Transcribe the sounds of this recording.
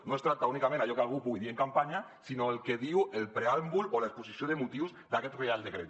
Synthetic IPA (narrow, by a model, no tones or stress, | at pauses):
noest̪ɾat̪aunikamẽnaʎokealɣ̞upuɣiðieŋkampaɲa | sinoelkeðiwelpɾeambulolaespusisjoðemut̪iwzd̪akɛt̪reald̪ekɾḛt̪